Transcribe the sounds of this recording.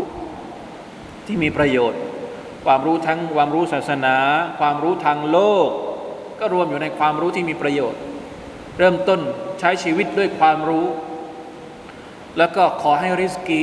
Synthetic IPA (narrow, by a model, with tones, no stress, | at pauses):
t̪ʰiː˥˩miː˧pɾa˧joː˨˩t̪̚ | kʰwaː˧mɾuː˦˥t̪ʰa˦˥ŋkwaː˧mɾuː˦˥saː˨˩t̪̚sa˧naː˩˦kʰwaː˧mɾuː˦˥t̪ʰaː˧ŋloː˥˩k̚ | kɔː˥˩ɾu˧əmjuː˨˩na˧jkʰwaː˧mɾuː˦˥t̪ʰiː˥˩miː˧pɾa˧joː˨˩t̪̚ | ɾɤː˥˩mt̪o˥˩nt͡ɕʰa˦˥jt͡ɕʰiː˧wi˦˥t̪̚du˥˩əjkʰwaː˧mɾuː˦˥ | lɛː˦˥wkɔː˥˩kʰɔː˩˦ɦa˥˩jɾi˦˥skiː˦˥